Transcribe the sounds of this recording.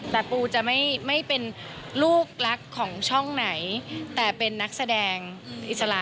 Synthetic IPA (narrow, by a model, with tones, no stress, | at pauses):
t̪ɛː˨˩puː˧t͡ɕa˨˩ma˥˩jma˥˩jpe˧n | luː˥˩k̚la˦˥kʰːɔː˩˦ŋt͡ɕʰɔ˥˩ŋna˩˦jt̪ɛː˨˩pe˧nːa˦˥k̚sa˧dɛː˧ŋʔi˨˩t̪̚sa˧la˧˩